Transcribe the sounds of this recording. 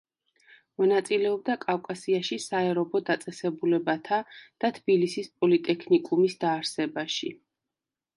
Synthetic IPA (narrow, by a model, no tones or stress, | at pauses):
mɔnat̪sʼilɛɔbd̪akʼafkʼasiaʃisaɛɾɔbɔd̪at̪sʼɛsɛbulɛbat̪ʰad̪̥at̪ʰb̥ilisispʼɔlit̪ʼɛkʰnikʼumisd̪aːɾsɛbaʃi